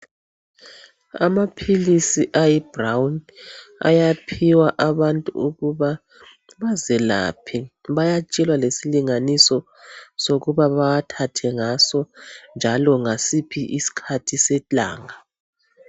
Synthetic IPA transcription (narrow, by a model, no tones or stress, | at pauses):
a̰mapʰilisiʔajibrawna̰japʰiwaʔaβantʼṵuɣuβa | βazɛla̰pʰiβajat͡ʃʼɛlwalesiliŋanisɔ | soɣuβaβaatʰatʰɛŋasɔnd͡ʒʱalɔŋasipʰiʔisi̥kʰatʰisɛt͡ɬʼa̰ːŋa